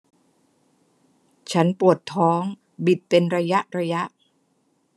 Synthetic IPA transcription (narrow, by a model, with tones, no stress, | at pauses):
t͡ɕʰa˦˥npu˨˩ət̪ʰːɔː˦˥ŋ | bi˨˩t̪̚pe˧nɾa˧ja˦˥ʔɾa˧ja˦˥ʔ